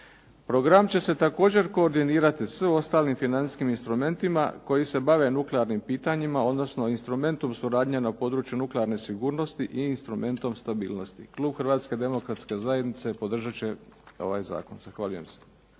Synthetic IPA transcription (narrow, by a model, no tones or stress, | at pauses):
pɾo̞ɡɾamt͡ɕe̞se̞t̪ako̞ːd͡ʑe̞ɾko̞ːɾd̪iniːɾat̪isio̞st̪aːlnimfinanskiminst̪ɾume̞nt̪ima̰ko̞jise̞baʋe̞nukleaɾnimpiːt̪aɲimao̞d̪no̞sno̞inst̪ɾume̞nt̪o̞msuɾaːd̪ɲanapo̞ːd̪ɾuːt͡ʃjunukleaɾne̞siɡuːɾno̞st̪iʔiːnst̪ɾume̞nt̪o̞mst̪abḭːlno̞st̪ḭklˠuːbxrʋaːt̪ske̞d̪e̞mo̞kɾat̪ske̞zajed̪nit̪se̞po̞d̪r̩ʒat͡ɕe̞o̞̰ʋa̰ːjza̰ːko̞nz̥axʋaːʎuje̞̰mse̥